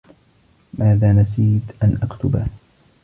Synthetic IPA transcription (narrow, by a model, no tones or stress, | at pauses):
maːðaːmas̬iːt̪ʔanʔakt̪ʊba